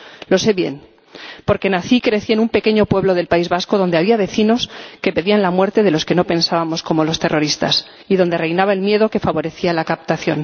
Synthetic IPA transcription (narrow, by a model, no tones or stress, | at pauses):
lo̞se̞βje̞̰n | po̞ɾke̞naθikɾe̞θie̞numpe̞ke̞ɲo̞pwe̞βlo̞ð̞e̞lpaizβasko̞ðo̞nd̪e̞aβiaβ̞e̞θino̞ske̞pe̞ðianlamwe̞ɾt̪e̞ðe̞lo̞ske̞no̞pe̞nsaβamo̞sko̞mo̞lo̞st̪e̞rʔo̞ɾist̪as | iðo̞nd̪e̞re̞jnaβae̞lmje̞ðo̞ke̞faβo̞ɾe̞θialakapt̪aθjo̞̰n